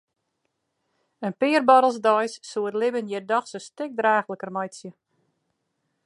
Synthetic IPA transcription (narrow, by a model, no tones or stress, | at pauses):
ənpɪːərbɔɾəl̩ˠsdɔjsːuərlɪbənjɪrdɔxsəstɪk̚draːxləkərmajsjə